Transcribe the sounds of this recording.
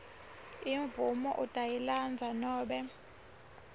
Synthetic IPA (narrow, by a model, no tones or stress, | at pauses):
iɱvumɔʔutʼajiland͡zʱanɔːɓɛ